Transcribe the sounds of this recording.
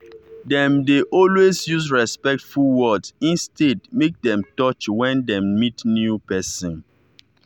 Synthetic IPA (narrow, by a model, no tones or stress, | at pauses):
dɛ̃mdeʔɔlwesjusɹɛspɛk̚tfulwɔdĩnstʰedmek̚dɛ̃mtɔt͡ʃwɛ̃ndɛ̃mmitnjupɛsɔ̃n